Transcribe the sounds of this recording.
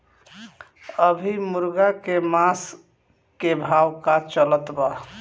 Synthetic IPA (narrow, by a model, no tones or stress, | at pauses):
əbʱimuɾɡakemas | kebʱawkat͡ʃələt̪ba